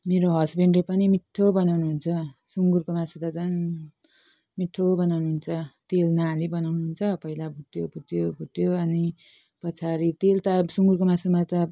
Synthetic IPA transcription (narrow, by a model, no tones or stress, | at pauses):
meɾoɦʌsbeɳɖepʌnimiʈʰːobʌnawnuɦunt͡sʰʌsuŋɡurkomãsut̪ʌd͡zʌn | miʈʰːobʌnawnuɦunt͡sʰʌt̪elnalibʌnawnuɦunt͡sʰʌpʌilabʱuʈ̪jobʱuʈ̪jobʱuʈ̪joʌni | pʌt͡sʰaɾit̪elt̪ʌsuŋɡurkomãsumat̪ʌ